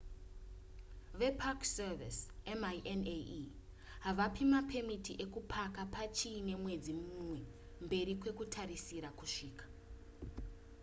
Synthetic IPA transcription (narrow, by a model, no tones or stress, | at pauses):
ʋe̞pʰakservisemaʔene | ɦaʋapimapʰe̞mitiʔe̞kupʰakapʰat͡ʃiːne̞mwe̞d͡zimumwe̞ | mbe̞ɾikwe̞kutʰarisiɾakuʂiːkḁ